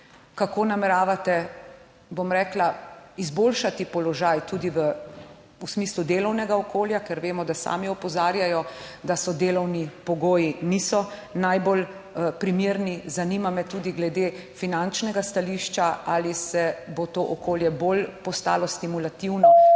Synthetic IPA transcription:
kakoːnamɛɾaːʋat̪ɛ | bomɾɛːklaizboːlʃat̪ipɔlɔʒajt̪uːd̪iʋə | usmiːslud̪eːlɔwnɛɡaɔkoːljakɛɾʋeːmɔd̪asa̰ːmiɔpɔzaːɾjajɔd̪asɔd̪eːlɔwnipɔɡoːjiniːsɔnajbol | pɾimeːɾnizaniːmamɛt̪uːd̪iɡlɛd̪eːfinant͡ʃnɛɡast̪aliːʃt͡ʃaʔalisɛbot̪oʔɔkoːljɛbolpɔst̪a̰ːlɔst̪imulat̪iwnɔ

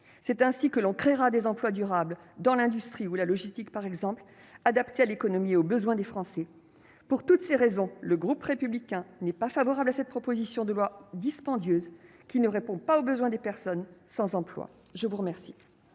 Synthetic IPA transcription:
sɛt̪ɛ̃sikəlɔ̃kχeʁad̪ezɑ̃plwad̪yʁabl | d̪ɑ̃lɛ̃d̪yst̪χiulalɔʒist̪ikpaʁɛɡzɑ̃pl | ad̪apt̪ealekɔnɔmieobəzwɛ̃d̪efχɑ̃sɛ | puʁt̪ut̪seʁezɔ̃ləɡʁupʁepyblikʲɛ̃nɛpafavɔʁablasɛt̪̚pχɔpozisjɔ̃d̪əlwad̪ispɑ̃d̪jøːz | kʲinəʁepɔ̃paobəzwɛ̃d̪epɛʁsɔnsɑ̃zɑ̃plwa̰ | ʒəvuʁəmɛʁsi

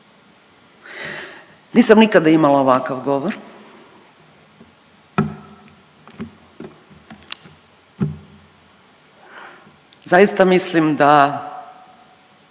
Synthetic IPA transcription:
niːsamnikad̪aimalaoʋakaʋɡo̞ʋoɾ | zajist̪amislimd̪a

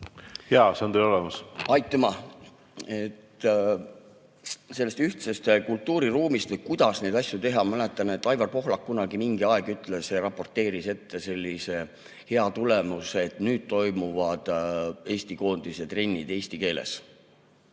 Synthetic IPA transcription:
heɑseond̪elolɛmɑsɑjt̪ːˑɑmɑ | et̪ː | se̞lːe̞st̪yht̪sest̪kult̪ːˑuːɾiruːmist̪vɤjkujd̪̥ɑsne̞jd̪ɑsjut̪e̞ɦɑmælet̪ːˑɑne̞t̪ːˑɑjvɑrpo̞ɦlɑkːunɑɡimiŋɡ̥iɑɛɡ̥yt̪ˑle̞seɾɑpːˑo̞rt̪ːˑe̞ːɾise̞t̪ːe̞se̞lʲːise̞ | he̞ɑt̪ule̞museet̪nyːd̪̥̚t̪o̞jmuvɑd̪̥e̞ːsʲt̪iko̞ːnd̪̥iset̪re̞nʲːid̪̥e̞ːsʲt̪ike̞ːlḛs

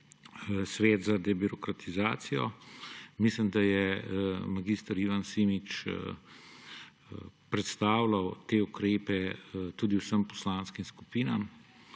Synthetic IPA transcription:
sʋeːt̪zad̪ɛbiɾɔkɾat̪ʰizaːt̪sijɔ̰ | mislimd̪ajɛmaɡiːst̪əɾiːʋansiːmit͡ʃ | pɾɛt̪st̪aːwlawt̪eːukɾeːpɛt̪uːd̪iwsəmpɔ̥slaːnskimsku̥piːnam

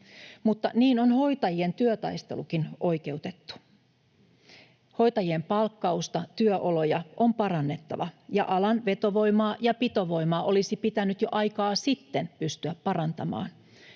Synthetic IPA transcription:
mut̪ːɑniːno̞nho̞jt̪ɑjie̞nt̪yøt̪ɑ̰jst̪e̞̰lukinʔo̞jke̞ut̪et̪ːu̥ | ho̞jt̪ɑjiempɑlkːɑust̪ɑt̪yøʔo̞lo̞jɑʔo̞mpɑɾɑnːe̞t̪ːɑ̰ʋɑjɑ̰ʔɑlɑnʋe̞t̪o̞ʋo̞jmɑːjɑpit̪o̞ʋo̞jmɑːʔo̞lisipit̪ænyt̪jo̞ʔɑjkɑːsit̪ːenpyst̪yæppɑɾɑnt̪ɑmɑ̰ːn

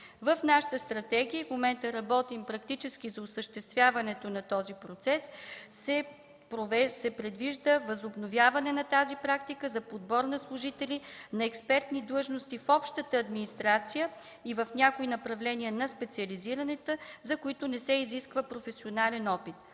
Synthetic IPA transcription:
vəfnaʃə̥t̪əst̪ɾɐt̪ɛɡ̟ijəfmomɛnt̪əɾɐbɔt̪impɾɐk̚t̪it͡ʃɛsk̟ʲizɐʊsəʃt̪ɛst̪vʲjavɐnɛt̪onɐt̪ɔzipɾot̪sɛsːɛ | pɾovɛsɛpɾɛd̪viʒd̪əvəzobnovʲjavɐnɛnɐt̪azipɾakt̪ikəzɐpod̪bɔɾnɐslˠʊʒit̪ɛlinɐɛkspɛɾt̪nid̪lˠɤʒnost̪ifɔpʃt̪ət̪əːd̪minist̪ɾat̪sijə | ivəfnʲakoinɐpɾɐvlɛniənɐspɛt̪siəliziɾɐnɛt̪əzɐkoit̪ʊnɛsɛiziskvəpɾofɛsionalɛnɔpit̪

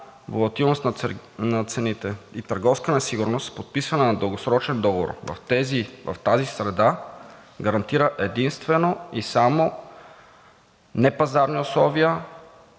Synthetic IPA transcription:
vo̰lˠɐt̪ilˠnost̪nɐtnɐt̪sɛnit̪ɛit̪əɾɡɔfskənɛsiɡʊɾnost̪pot̪̚pisvɐnənɐd̪əlˠɡosɾɔt͡ʃɛnd̪ɔɡovo̰ɾvɐ̰ft̪ɛzivɐ̰ft̪azisɾɛd̪a | ɡɐɾɐnt̪iɾəʔɛd̪inst̪vɛnoisamo | nɛpɐzaɾniʊslˠɔviə

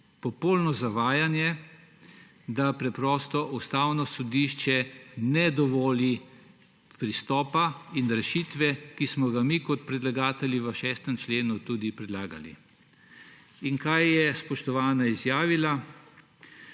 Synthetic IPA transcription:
pɔpolnɔzaʋaːjanjɛ | d̪apɾɛpɾɔːst̪ɔʔust̪awnɔsɔd̪iʃt͡ʃɛnɛd̪ɔʋɔːli | pɾist̪ɔːpainɾɛʃit̪ʋɛkismɔɡamikɔt̪̚pɾɛd̪laɡaːt̪ɛljiʋəʃɛːst̪əmt͡ʃleːnut̪ud̪ipɾɛd̪laːɡa̰lḭ | iŋkajːɛspɔʃt̪ɔʋaːnaizjaːʋila

